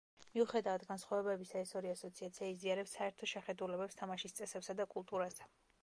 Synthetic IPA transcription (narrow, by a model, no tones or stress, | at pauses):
miuχɛd̪avat̪ɡansχwavɛbɛbisaɛsɔɾiasɔt̪sʰiat̪sʰiaiziaɾɛpsːaɛɾt̪ʰɔʃɛχɛd̪ulɛbɛpst̪ʰamaʃist̪sʼɛsɛpsad̪akʼulˠt̪ʼuɾas